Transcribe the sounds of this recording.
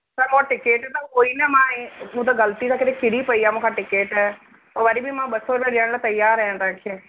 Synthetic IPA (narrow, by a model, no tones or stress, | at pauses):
sɐɾmõãʈɪkeːʈɛt̪aoːinɐmãẽmũːt̪aɡɐlt̪isãkɪɾekɪɽipɐiaːmũːkʰãʈɪkeːʈɛː | ɐʋɐɾibʱimãɓɐsoɾʋẽɗəɽ̃lat̪ɐjaːɾɐɦjãːt̪ãːkʰeː